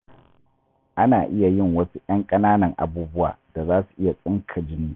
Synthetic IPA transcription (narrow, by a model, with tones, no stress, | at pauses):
ʔa˦naː˨ʔɪ˦ja˨jɪ˦ŋwɐ˦su˦ʔɐ˦ŋkʼɐ˦naː˦nɐ˨ŋʔa̰˨buː˦bʊ˦wa̰ː˨d̥a˨zaː˦su̥˨ʔɪ˦ja˨sʼɪ˦ŋkʰɐ˨d͡ʒɪ˦niː˦